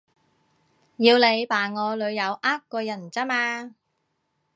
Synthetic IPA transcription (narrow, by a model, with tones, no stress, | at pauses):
jiː˧wle˨˧jpaː˨˩ŋɔː˨˧lɵ˨˧ɥjɐ˨˧wʔaː˥kkːɔː˧jɐ˨˩nt͡sɐ˥maː˧